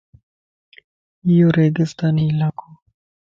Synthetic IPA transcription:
joɾed̪ɪst̪anilakʰo

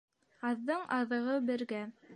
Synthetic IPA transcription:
ɑðːɤɴʔɑðɤ̆ʁɤbɘ̆ɾɡæ

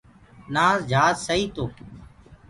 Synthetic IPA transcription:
naːzd͡ʒʱaːzsəiːt̪oː

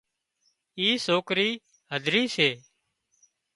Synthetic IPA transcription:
iːsoːkɾiː | ɦəd̪ʱɾiːseː

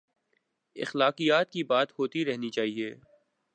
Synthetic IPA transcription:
ɪ̰xlaːqijaːt̪kibaːt̪hoːt̪iɾɛɦnit͡ʃaːɦieː

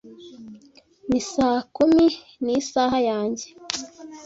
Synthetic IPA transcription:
misaːkumi | nisaːɦajaːɲɟe

